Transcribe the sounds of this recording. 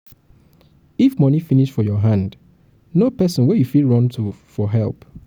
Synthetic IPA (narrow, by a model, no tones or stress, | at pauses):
ifmʌ̃nifiniʃfɔjɔɦãnd | nopɛsɔ̃nwɛjufilɹɔ̃ntʰufɔɦɛ̰lˠp